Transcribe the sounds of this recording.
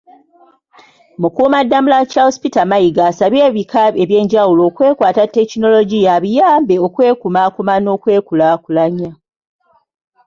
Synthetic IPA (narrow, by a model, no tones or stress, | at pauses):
mukuːmadːamulacaospitamaiɡaːsaβeːβikaeβje̞ːɲɟawulo̞ːkwe̞ːkwaːtatːe̞kino̞lo̞ɟijaβijaːmbe̞o̞kwe̞ːkumaːkumano̞ːkwe̞ːkulakulaɲa